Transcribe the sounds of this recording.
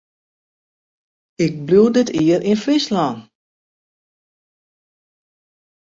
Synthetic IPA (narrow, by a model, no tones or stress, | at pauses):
ɪk̚bludɪtiərʔinfɪslɔːn